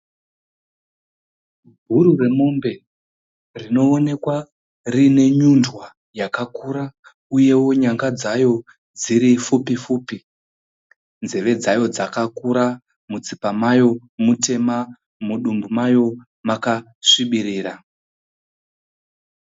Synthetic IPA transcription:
ɡʱuɾure̞mo̞mbe̞ | rino̞ːne̞kwa | rine̞ɲundwa | jakakuɾa | uje̞wo̞ɲaŋɡad͡zajo̞ | d͡ziɾifupifuːpi | nze̞ʋe̞d͡zajo̞d͡zakakuɾa | mut͡sipamajo̞ | mute̞ma | muɗumbumajo̞ | maka | ʂiɓiɾiːra

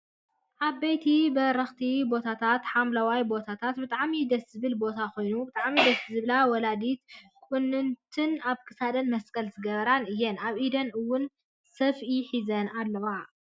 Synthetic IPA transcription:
ʔaβːejt̪ʰibɐɾɐxt̪ʰibo̞t̪ʰat̪ʰat̪ħamlawajbo̞t̪ʰat̪ʰat̪bɨt̪ʼaʕmid̪ɐszɨβɨlbo̞t̪ʰako̞jnubɨt̪ʼaʕmid̪ɐszɨβlawɔlad̪it̪kʼunːɨnt̪ʰɨnaβkʰɨ̥sad̪ɐnmɐskʼɐlzʰɨɡɐβɐɾanɨjːɛnaβʔid̪ɐnɨwːʊn | sɐfiħizɐnalːɐwa

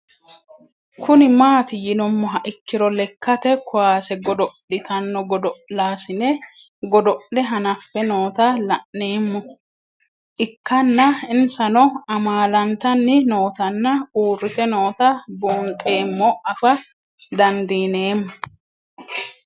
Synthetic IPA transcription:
kʰʊnɪmaːt̪ɪjɪnɔmːɔɦɐʔɪkːɪɾɔlɛkːɐt̪ɛkʰʊwaːsɛɡɔd̪ɔʔɪt̪ʰɐnːɔɡɔd̪ɔʔlaːsɪnɛ | ɡɔd̪ɔʔɛɦɐnɐfːɛno̞ːt̪ɐlɐʔnːe̞ːmːɔ | ʔɪkːɐnːɐɪnsɐnɔɐmaːlɐnt̪ɐnːɪno̞ːt̪ɐnːɐuːrːɪt̪ɛno̞ːt̪ɐbuːŋkʼe̞ːmːɔɐfɐ | d̪ɐnd̪iːne̞ːmːʊ

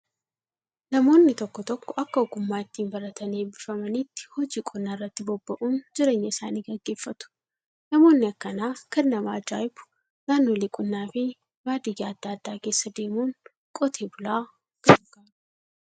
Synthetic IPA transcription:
nɐmo̞ːnːɪt̪ɔkːɔt̪ɔkːɔʔɐkːɐɔɡʊmːaːɪt̪ːiːnbɐɾɐt̪ɐneːbɪfɐmɐnɪt̪ːɪ̥hɔd͡ʒiːkʼʊnːaːrːɐt̪ːɪbɔbːɐʔuːnd͡ʒɪɾe̞ːɲːɐɪsa̰ːniːɡɐɡːe̞ːfːɐt̪ʊ̥ | nɐmo̞ːnːɪɐkːɐnaːkɛnːɐmaːd͡ʒa̰ːjbʊ̥ | naːnːo̞ːlɪkʼʊnːaːfɪ | baːd̪ɪjːaːɐd̪̥ːaːd̪̥ːaːke̞ːsːɐd̪e̞ːmuːn | kʼɔt̪ʰe̞ːbʊlaː | ɡ̥ɐd͡ʒʊɡaː

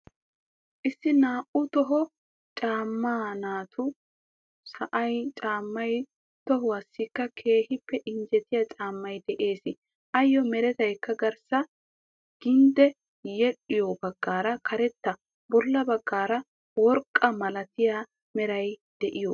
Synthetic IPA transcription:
ʔɪsːɪnaːʔʊt̪ɔɦɔ | t͡ʃʼaːmːaːnaːt̪ʰʊ | sɐʔɐjt͡ʃʼaːmːɐj | t̪ɔɦʊwɐsːɪkːɐkʰe̞ːhɪpːɛʔɪnd͡ʒɛt̪ɪjat͡ʃʼaːmːɐjd̪ɛʔe̞ːsɪ | ʔɐjːɔmɛɾɛt̪ɐjkːɐɡɐɾsɐ | ɡ̥ɪnd̪ɛ | jɛɗːɪjobɐɡːaːɾɐkʰɐɾɛt̪ːɐ | bɔlːɐbɐɡːaːɾɐ | wɔɾkʼːɐmɐlɐt̪ɪja | mɛɾɐjd̪̥ɛʔɪjɔ

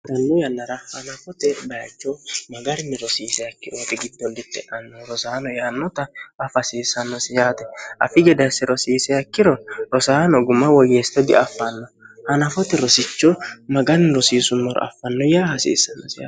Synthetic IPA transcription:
d̪ɐnːɔjɐnːɐɾɐhɐnɐfɔt̪ɛbɐjɐt͡ʃːɔmɐɡɐɾnːɛɾɔsiːsɛjɐkːɪʔoːt̪ɛɡɪd̪ːɔnd̪ɪt̪ːɛʔɐnːɔɾɔsaːnɔjanːɔt̪ɐɐfɐsiːsɐnːɔsɪjaːt̪ɛʔɐ̰fɪɡɛd̪ɐsɛɾɔsiːsɛjɐkːɪɾɔɾɔsaːnɔɡʊmːɐwɔjeːst̪ːɛd̪ɪʔɐfːɐnːɔhɐnɐfɔt̪ɛɾɔsɪt͡ʃːɔmɐɡɐɾnɾɔsiːsʊnːɔɾɔ̰ɐ̰fːɐnːɔjaːhɐsḭːsːɐnːɔsɪja̰ː

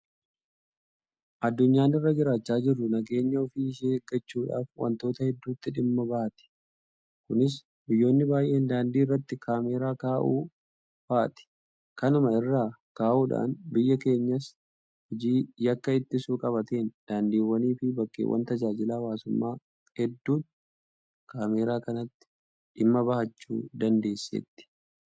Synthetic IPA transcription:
ʔɐd̪ːʊɲːaːnɪrːɐd͡ʒɪɾaːt͡ʃːaːd͡ʒɪrːʊnɐɡe̞ːɲːɐɔfiːɪʃeːɡːɐt͡ʃːuːᶑa̰ːfwɐ̰nt̪o̞ːt̪ɐhɛd̪ːuːt̪ːɪᶑɪmːɐbɐʔɐt̪ɪ̥ | kʊnɪs̬ | bɪjːo̞ːnːɪbaːjʔe̞ːnd̪aːnd̪iːrːɐt̪ːɪkʰaːmeːɾaːkaːʔuː | faːt̪ɪ̥ | kɐnʊmɐɪrːaːkaːʔuːᶑa̰ːnbɪjːɐke̞ːɲːɐs | hɪd͡ʒiːjɐkːɐɪt̪ːɪsuːkʼɐβɐt̪eːnd̪̥aːnd̪iːwːɐniːfɪbɐkʼːḛːwɐ̰nt̪ɐd͡ʒaːd͡ʒɪlaːwaːsʊmːaː | hɛd̪ːuːt̪ | kaːmeːɾaːkɐnɐt̪ːɪ̥ | ᶑɪmːɐbɐhɐt͡ʃːuːd̪ɐnd̪e̞ːsːɛ̰t̪ːɪ̥

